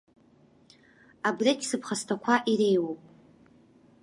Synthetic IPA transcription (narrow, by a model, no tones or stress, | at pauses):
abrekʲʼsɨpʰχastʰakʷʰaʔiɾe̞jwowpʼ